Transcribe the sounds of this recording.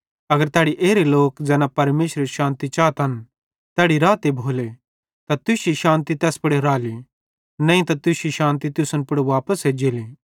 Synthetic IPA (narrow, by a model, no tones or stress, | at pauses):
ɐɡəɾt̪ɛːɽiʔeːɾeloːkd͡ʒɛːnapɐɾmeːʃɾeʃãːnt̪it͡ʃaːt̪ɦɐn | t̪ɛːɽiɾaːt̪ebʱoːle | t̪at̪ʊʃiʃãːnt̪it̪ɛːspɐɽeɾaːli | nɐ̃ĩt̪at̪ʊʃiʃãːnt̪it̪ʊsənpʊɽeʋaːpəsɦed͡ʒeːli